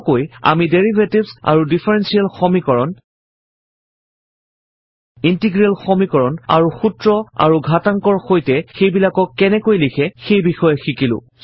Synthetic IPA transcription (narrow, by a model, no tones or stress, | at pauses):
koja̰mideɹibʱetibsa̰ɹudipʰɛɹɛnsialxɔmikɔɹɔn | intiɡɹialxɔmikɔɹɔna̰ɹuxutɹɔa̰ɹuɡʱataŋkɔɹxojtɛxejbilakɔkːɛnɛkojlikʰɛxejbixɔjɛxikilʊ̰̃